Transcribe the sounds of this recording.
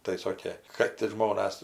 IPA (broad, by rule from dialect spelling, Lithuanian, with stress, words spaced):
tɐɪ ˈsoːkʲeː kɐt ɪr ˈʒmoːnɐs